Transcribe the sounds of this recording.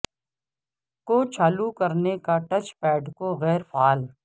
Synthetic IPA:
koːt͡ʃʰaːlukɐɾnekaʈɐt͡ʃpɛːɖkoɣɛːɾpʰaːl

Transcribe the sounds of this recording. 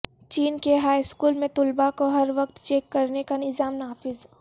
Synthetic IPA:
t͡ʃiːnkeɦaːiskuːlmẽt̪ʊlbakoɦɐɾʋɐq̚t̪t͡ʃeːkːɐɾnekanɪzaːmnaːfɪz

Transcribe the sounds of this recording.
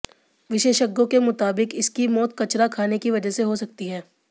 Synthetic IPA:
ʋɪʃeːʃəɡːõkemʊt̪aːbɪkɪskimɔːt̪kɐt͡ʃɾakʰaːnekiʋɐd͡ʒəseɦosɐk̚t̪iɦɛː

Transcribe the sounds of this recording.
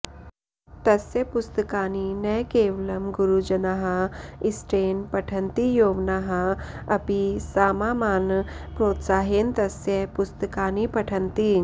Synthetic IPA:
t̪ɐsjɐpʊst̪əkaːninɐjkeːʋlɐmɡʊɾud͡ʒɐnaɦɐɪsʈeːnpɐʈʰɐnt̪ijoːʋnaːɦɐɐpisaːmaːmaːnpɾoːt̪saːɦent̪ɐsjepʊst̪əkaːnipɐʈʰɐnt̪i

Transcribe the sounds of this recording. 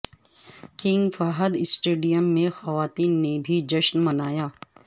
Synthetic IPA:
kɪ̃ŋɡfaːɦəd̪ɪsʈeːɖijəmːẽxɐʋaːt̪iːnːebʱid͡ʒɐʃnmɐnaːjaː

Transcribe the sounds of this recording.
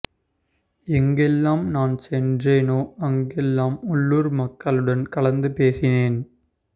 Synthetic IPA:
ɛŋɡɛlːaːmnaːnsɛndreːnoːɐŋɡɛlːaːmɔɭːuːɾmɐkːɐɭɯɽɐnkɐɭɐnd̪ɯpeːsɪneːn

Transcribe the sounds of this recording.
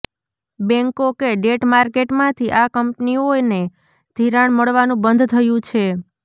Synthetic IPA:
bɛ̃ŋkokeɖeʈmaɾkeʈmãt̪ʰiʔakəmpnione | d̪̥ʱiɾaɳməɭʋanũbənd̪ʱt̪ʰəjũt͡ʃʰe

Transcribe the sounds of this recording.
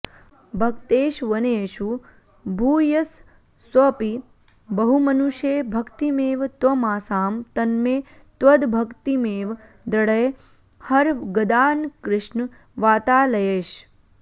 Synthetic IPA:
bʱɐkt̪eːʃʋɐneːʃu | bʱuːjɐsː | wɐpi | bɐɦumɐnuʃeːbʱɐkt̪imeːʋt̪ʋɐmaːsaːmt̪ɐnmeː | t̪ʋɐd̪bʱɐkt̪imeːʋ | d̪ɐɽɐj | hɐɾɡɐd̪aːnkɾɪʃn | ʋaːt̪aːlɐjeːʃ

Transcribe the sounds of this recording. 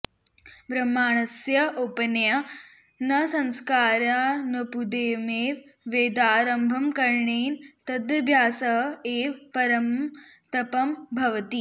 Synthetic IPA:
bɾɐmːaːɳɐsjɐʔopɐnjɐ | nɐsɐ̃nskaːɾaːnɐpud̪eːmeːʋʋeːd̪aːɾɐmbʱɐmkɐɾɳeːnt̪ɐd̪ɐbʱjaːsɐɦeːpɐɾɐmt̪ɐpɐmbʱɐʋɐt̪i

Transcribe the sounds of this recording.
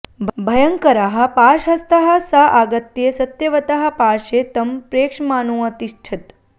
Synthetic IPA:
bbʱɐjɐŋkɐɾaɦɐ̆paːʃɦɐst̪ɐɦɐ̆saʔaɡɐt̪jesɐt̪jɐʋɐt̪aɦɐ̆paːʂeːt̪ɐmpɾeːkʂmaːnuːɐt̪iʃʈʰit̪

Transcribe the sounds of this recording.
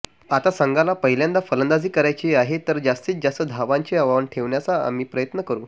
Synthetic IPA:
at̪asəŋɡalapəɦiljãnd̪afələnd̪ad͡ziːkəɾajt͡ɕiːaɦet̪əɾd͡zast̪iːt͡sd͡zast̪əd̪ʱaʋãɲt͡ɕeəʋaʋəɳʈʰeʋɳjat͡saa̰m̤iːpɾəjət̪nəkəɾuː

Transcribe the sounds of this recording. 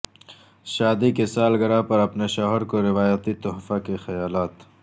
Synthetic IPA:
ʃaːd̪ikesaːlɡɐɽapɐɾɐpneʃaːɦəɾkoɾɪwaːjət̪it̪ʊɦfakexɐjaːlaːt̪

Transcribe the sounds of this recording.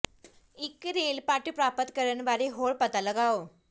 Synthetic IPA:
ikɾelpaʈupɾapət̪kəɾəɳʋaɾiɦoɭpət̪aləɡao

